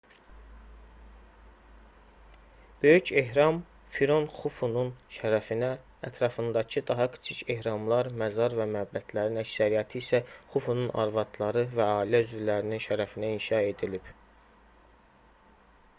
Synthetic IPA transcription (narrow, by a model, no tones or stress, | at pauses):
b̥ø̞jyce̞ɦɾɑm | fiɾo̞nxufununʃæɾæfinæː | t̪ʰɾɑfɯnd̪ɑcʰid̪ɑɦɑkʰɯ̥t͡ʃʰicʰe̞hɾɑmlˠɑɾmæzɑɾvæmææbːæt̪ʰlæɾinæcsæɾijæt̪ʰiːsæχufununʔɑ̰ɾvɑt̪ʰlˠɑɾɯvæɑːilæyzvylæɾininʃæɾæfinæinʃɑe̞d̪ilib̥